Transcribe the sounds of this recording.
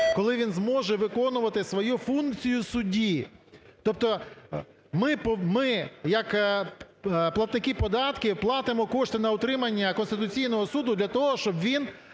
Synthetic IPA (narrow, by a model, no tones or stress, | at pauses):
kɔlˠɪʋʲinzmɔʒɛʋɪkɔnʊʋɐt̪ɪsʋɔjufunkt͡sʲijʊsʊdʲit̪ɔp̚t̪ɔ | mɪpɔmɪjɐk | plˠɐt̪nɪkɪpɔd̪ɑt̪kʲɪplˠɑt̪ɪmɔkɔʃt̪ɪnɐʊt̪ɾɪmɐnʲːɐkɔnst̪ɪt̪ʊt͡sʲijnɔɦɔsud̪ʊd̪lʲɐt̪ɔɦɔʃt͡ʃɔbʋʲin